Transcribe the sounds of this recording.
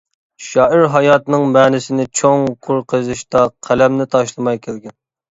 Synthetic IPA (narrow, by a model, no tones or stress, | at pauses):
ʃɑːɪɾɦɑjɑːt̪ɨnɨŋmɛnɪsɪnɪt͡ʃʰoŋqʰoɾqʰəzɨʃt̪ɑqʰælɛmnɪt̪ʰɑʃlˠɨmɑjkʲʰælɡʲɛn